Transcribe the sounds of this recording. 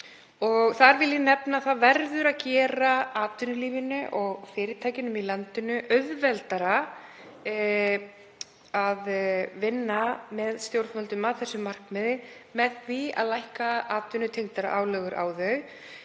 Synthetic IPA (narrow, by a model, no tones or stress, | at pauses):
ɔɣθaɾvɪlɪnɛpnaθaðvɛɾðʏɾaðcɛːɾaaːt̪ʏnʏliːvɪnʏʔɔɣfɪːɾɪt̪ʰaːjcɪnʏmilant̪ɪnʏʔœɥðvɛlt̪aɾa | aðvɪnːamɛðst̪jowɾfœlt̪ʏmaðθɛsːʏmar̥kmɛðɪmɛðθvia̰ðlajhkaaːt̪ʏnʏt̪ʰejŋt̪aɾa̰ʔaːwlœɣʏɾʔa̰ːwðœɣ